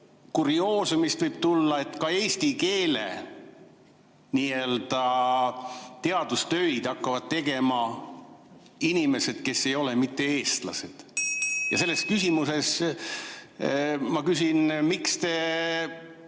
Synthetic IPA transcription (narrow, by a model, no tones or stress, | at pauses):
kuɾio̞ːsemist̪vɯjb̥̚t̪ulːɑe̞t̪ːkɑe̞ːst̪ike̞ːlḛ | niːe̞ld̪̥ɑ | t̪e̞ɑd̪ust̪ø̞jd̪̥ɑkːɑvɑd̪̚t̪e̞ɡ̥e̞mɑ | inime̞se̞d̪̥ke̞sːe̞jo̞lemit̪ːe̞e̞ːst̪lɑ̰se̞d̪̥jɑse̞lːeskysimuse̞s | mɑkysinmikst̪e̞